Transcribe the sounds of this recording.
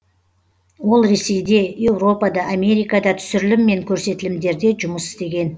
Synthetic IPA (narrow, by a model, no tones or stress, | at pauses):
wo̞lˠɾe̞se̞jd̪e̞je̞wro̞pɑd̪ɑʔamʲe̞ɾijkɑd̪ɑt̪ʰʏ̥sʏɾlɪmːe̞ŋkʲʰɵɾse̞t̪ɪlɪmd̪e̞ɾd̪e̞ʒʊməsɪ̥st̪e̞ɡʲe̞n